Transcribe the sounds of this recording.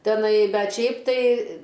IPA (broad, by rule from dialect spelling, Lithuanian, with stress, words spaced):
tʲɛˈnɐɪ ˈbʲɛt ˈʃʲɛɪp tɐɪ